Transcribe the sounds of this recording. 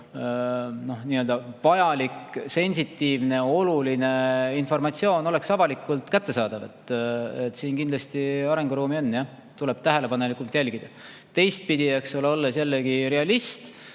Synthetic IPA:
no̞hniøld̪ɑvɑjɑlikse̞nʲsit̪ːiːvne̞o̞luline̞info̞rmɑt̪sio̞ːno̞le̞ksɑvɑlikːˑult̪kæt̪ːe̞sɑːd̪̥ɑve̞t̪ːet̪ːˑsiːnkind̪lɑst̪iɑɾe̞ŋɡ̥uɾuːmio̞nːjɑ | t̪ule̞b̥t̪æɦe̞le̞pɑne̞likːˑult̪jælʲɡ̥id̪̥ɑ | t̪e̞jst̪̚pid̪ie̞ksoleolːesjælːeɡiɾe̞ɑlist̪

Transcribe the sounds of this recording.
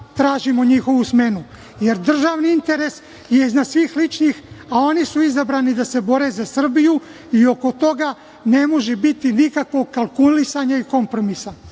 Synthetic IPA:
t̪ɾaːʒimo̞ɲixo̞ʋusme̞nu | je̞ɾd̪r̩ʒaːʋniint̪e̞ɾe̞s | je̞iznad̪sʋiːxlit͡ʃnixao̞nisuizabɾaːnid̪ase̞bo̞ɾe̞zasr̩biju | io̞ko̞t̪o̞ɡa | ne̞mo̞ʒebit̪inikakʋo̞ɡkalkulisaɲaiko̞mpɾo̞misa

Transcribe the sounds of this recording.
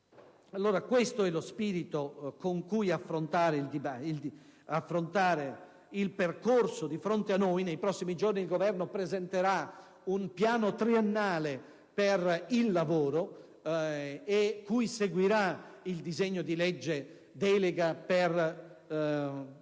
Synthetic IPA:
alːoːɾakwest̪oɛlospiːɾit̪okoŋkujafːɾont̪aːɾeild̪ibailafːɾont̪aːɾe | ilperkorsod̪ifɾont̪eanːojnejpɾɔsːimid͡ʒorniːlɡovɛrnopɾezɛnt̪eɾa | unpjaːnot̪ɾienːaːle | perilːavoːɾo | ekːujseɡwiɾaild̪izeɲːod̪ilɛd͡ʒːe | d̪ɛːleɡaper

